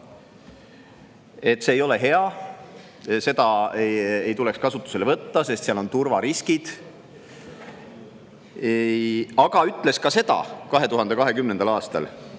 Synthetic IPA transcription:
e̞t̪ːˑse̞ːjo̞le̞ɦe̞ɑ | se̞d̪ɑ | e̞jt̪ule̞kskɑsut̪ːˑu̥se̞levɤt̪ːɑse̞st̪seɑlo̞nt̪urvɑɾiskid̪̥ | ɑɡ̥ɑyt̪ːˑle̞skɑse̞d̪ɑ̰kɑɦe̞t̪uɦɑnd̪e̞kɑɦe̞kymnend̪ɑlɑːst̪ɑ̰l

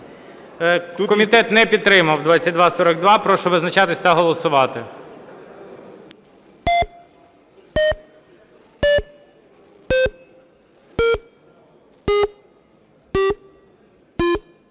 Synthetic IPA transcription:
kɔmʲit̪ɛt̪nɛpʲid̪̚t̪ːɾɪmɐwd̪ʋɑt͡sʲːɐt̚ʲd̪ʋɑsɔɾɐɡ̚d̪ʋɑpɾɔʃɔʋɪznɐt͡ʃɑt̪ɪsʲt̪ɐɦɔlˠɔsʊʋɑt̪ɪ

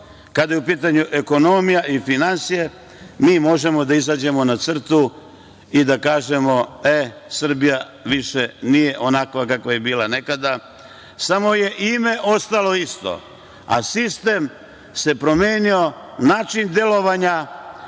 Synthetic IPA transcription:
kad̪ajeupiːt̪aɲuʔe̞ko̞no̞mijaʔifinansije̞ | miːmo̞ʒe̞mo̞d̪aizad͡ʑe̞mo̞nat̪sr̩t̪u | id̪akaːʒe̞mo̞esr̩bija | ʋiʃenije̞ʔo̞nakʋakakʋaje̞biːlane̞kad̪a | samo̞je̞ʔime̞ʔo̞st̪alo̞ist̪o̞̰ | a̰sist̪e̞m | se̞pɾo̞meːnio̞ | naːt͡ʃind̪jelo̞ʋaɲa

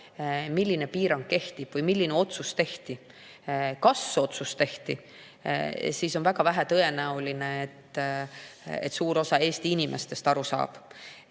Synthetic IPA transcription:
milːine̞piːɾɑŋɡ̥ke̞ht̪ib̥vɤjmilːineo̞t̪sust̪e̞ht̪i | kɑsːeo̞t̪sust̪e̞ht̪i | siso̞nvæɡɑvæɦæt̪ɤe̞næuline̞et̪ːˑ | ḛt̪suːɾo̞sɑe̞ːst̪iinimʔe̞st̪e̞st̪ɑɾusɑ̰ːb̥

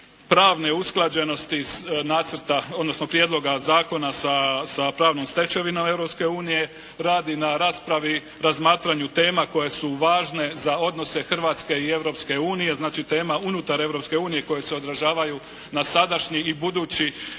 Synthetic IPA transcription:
pɾaːʋne̞usklˠad͡ʑe̞no̞st̪inaːt̪sɾ̩t̪aod̪no̞sno̞pɾije̞d̪lo̞ɡazaːko̞nasasapɾaːʋnomst̪e̞t͡ɕe̞ʋinome̞ʋɾopske̞uːnije̞ | ɾaːd̪inaɾaːspɾaʋi | ɾazmaːt̪ɾaɲut̪e̞ːmako̞je̞suʋaːʒne̞zao̞d̪no̞se̞xr̩ʋat̪ske̞ie̞ʋɾo̞pske̞uːnije̞znaːt͡ʃit̪e̞ːmaunut̪aɾe̞ʋɾo̞pske̞uːnije̞ko̞je̞se̞o̞d̪ɾaʒaːʋaju | nasad̪aʃɲiːbud̪uːt͡ɕi

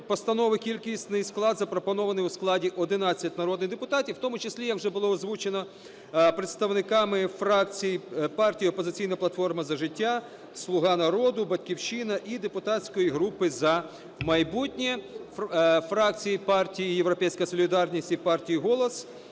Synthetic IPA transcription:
pɔst̪ɐnɔʋɪkʲilʲkʲisʲt̪ʲnɪjsklˠɑd̪zɐpɾɔpɔnɔʋɐnɪjʊsklˠɑdʲiʔɔd̪ɪnɑt͡sʲːɐtʲnɐɾɔd̪nɪjd̪epʊt̪ɑtʲiwt̪ɔmʊt͡ʃesʲlʲijɐkwʒɛbʊlˠɔɔzʋut͡ʃenɔ | pɾet̪st̪ɐwnɪkɑmɪfɾɑk̚t͡sʲijipɑrtʲijiɔpɔzɪt͡sʲijnɐplˠɐt̪fɔrmɐzɐʒɪtʲːa | slˠʊɦɑnɐɾɔd̪ʊbɐdʲkʲiwʃinɐʔid̪epʊt̪ɑt͡sʲkɔjiɦɾupɪzɐ | mɐjbutʲnʲi | fɾɑk̚t͡sʲijipɑrtʲijijewɾɔpɛjsʲkɐjɐsɔlʲid̪ɑrnʲisʲtʲipɑrtʲijiɦɔlˠɔs

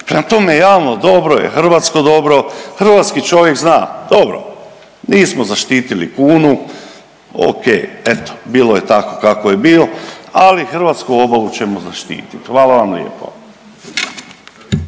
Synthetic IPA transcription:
pɾemat̪o̞mejejaːlnod̪o̞bɾojḛxr̩ʋat̪sko̞d̪o̞bɾo̞xr̩ʋat̪skit͡ʃo̞ʋjekznaːd̪̥obɾo̰ | niːsmozaʃt̪iːt̪ilikuːnu | o̰kejet̪o̥biːloje̞t̪akokakojebiːloalixr̩ʋat̪skuo̞baʋut͡ɕe̞mozaʃt̪ḭːt̪it̪xʋaːlaʋamljḛpo̞̰

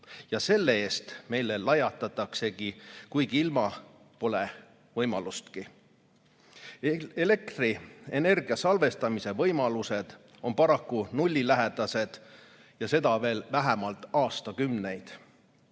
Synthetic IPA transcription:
jɑse̞lːee̞ːst̪me̞jlelɑjɑt̪ːˑɑt̪ːˑɑkse̞ɡ̥ikujɡiilmɑ | po̞le̞ | vɤjmɑlust̪ki | ele̞k̚t̪riene̞rɡ̥iɑsɑlve̞st̪ɑmise̞vɤ̞jmɑluse̞d̪̥ | o̞mpɑɾɑkːunulʲːilæɦed̪̥ɑse̞d̪̥ | jɑse̞d̪ɑve̞ːlvæɦemɑlt̪ːˑɑːst̪ɑkymne̞jd̪̥

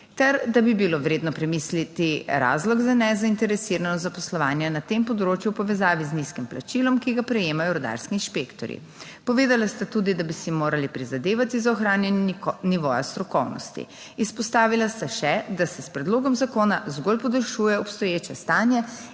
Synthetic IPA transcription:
t̪ɛɾd̪abibiloʋɾeːd̪nɔpɾɛmislit̪iɾa̰ːzlɔɡzanɛzaint̪ɛɾɛsiɾanɔzapɔslɔʋaːnjɛnat̪empɔd̪ɾoːt͡ʃjupɔʋɛzaːʋizniskimpla̰t͡ʃilɔmkiɡapɾɛjeːmajɔɾɔd̪a̰ɾskinʃpekt̪ɔ̰ɾjḭ | pɔʋeːd̪alast̪at̪uːd̪id̪abisimoːɾalipɾizad̪eːʋat̪izaɔxɾaːnjɛnniʋoːjast̪ɾɔkɔwnɔ̰st̪ḭ | ispɔst̪aːʋilast̪aʃɛd̪asɛspɾɛd̪loːɡɔmzakoːnazɡolpɔd̪əɾʃuːjɛɔpst̪ɔjeːt͡ʃɛst̪aːnjɛ

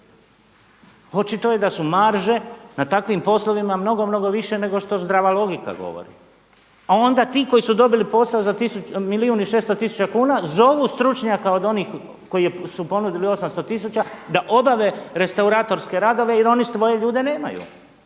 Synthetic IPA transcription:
ho̞t͡ʃit̪o̞jed̪asumaɾʒe̞nat̪akʋimpo̞slo̞ʋimamno̞ɡo̞mno̞ɡo̞ʋiʃe̞ne̞ɡo̞ʃt̪o̞zd̪ɾaʋalˠo̞ɡika̰ɡo̞̰ʋo̰ɾḭ | ao̞nd̪at̪iːko̞jisud̪o̞bilipo̞saozat̪isumiliuːniʃeːst̪ot̪isu̥t͡ʃakuːnazo̞ʋust̪ɾut͡ʃɲakao̞d̪o̞niːx | ko̞jijesupo̞nud̪ilio̞samst̪ot̪is̬ut͡ʃad̪aʔo̞baʋe̞ɾe̞st̪auɾaːt̪o̞ɾske̞ɾad̪o̞ʋe̞iɾo̞nist̪ʋo̞je̞ʎuːd̪e̞ne̞ːma̰jṵ

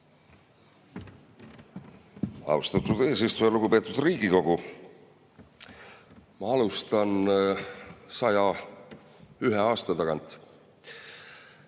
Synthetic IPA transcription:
ɑ̰ust̪ɑt̪ːud̪e̞ːsist̪ujɑluɡupe̞ːt̪ːˑud̪riːɡ̥iko̞ɡ̥u | mɑɑlust̪ɑn | sɑjɑ | yɦeɑːst̪ɑt̪ɑɡɑnt̪ˑ

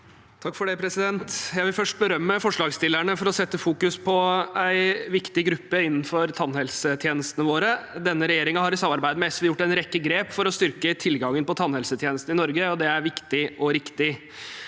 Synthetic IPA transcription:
t̪ʰɑkːfɔɖæɪpʰɾɛsɪd̪ɛnt̪jæɪʋɪlfœʂʈ̚bəɾœmːəfɔʂɭɑːɡst̪ɪlæɳəfɔɾɔsɛt̪ːəfuːkʉspʰɔæɪʋɪkt̪ɪɡɾʉpːəɪnːn̩fɔɾt̪ʰɑnhɛlsət̪ʰjeːnəst̪ənəʋoːɾəd̪ɛnːəɾɛjeːɾɪŋɑɦɑɾɪsɑmːɑɾbæɪd̪əmɛɛsjʊʈːæɪnɾɛkːəɡɾeːpfɔɾɔst̪ʏɾkət̪ʰɪlɡɑŋːənpɔt̪ʰɑnhɛlsət̪ʰjeːnəst̪n̩ɪnɔɾɡəɔd̪ɛæɾʋɪkt̪ɪʔɔɾɪkt̪ɪ

